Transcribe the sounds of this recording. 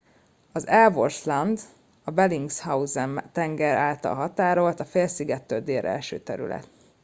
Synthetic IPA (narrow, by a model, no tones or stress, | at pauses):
ɒzɛlvorslɒnd̪ | ɒbɛliŋɡshauzɛmt̪ɛŋɡɛɾaːlt̪ɒ̰lɦɒt̪aːɾo̞lt̪ɒfeːlsiɡɛt̪ːøld̪eːɾʔɛ̰lʃø̰ːt̪ɛɾy̰lɛ̰t̪̚